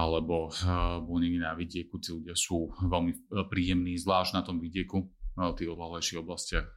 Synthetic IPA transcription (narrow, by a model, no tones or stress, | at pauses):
alɛbɔbuɲininaʋiɟɪɛkut̪iːluɟɪasuːʋɛlmipɾiːjɛmniːzʋlaːʒɟnat̪ɔmʋiɟɪɛkut̪iːɣɔd̪laɦlɛjʃiɣɔblascɪax